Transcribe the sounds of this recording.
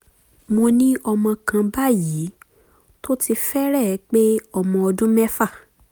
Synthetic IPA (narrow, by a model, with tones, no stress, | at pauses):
mo˧nĩ˦ɔ˧mɔ̃˧kã˧ba˦ji˨˦ | to˦ti˧fɛ˦ɾɛ˦˨˦k͡pe˦ɔ˧mɔ̃˧ɔ˧dũ˦mɛ̃˦fa˦˨